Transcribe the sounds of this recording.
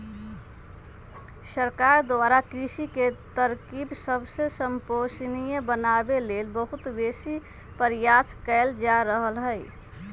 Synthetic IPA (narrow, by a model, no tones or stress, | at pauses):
səɾkaɾd̪aɾakɾisiket̪əɾkibsəbsesəmposnijəbənabelelbəɦut̪besi | pəɾijaskəɪld͡ʒaɾəɦəlɦəj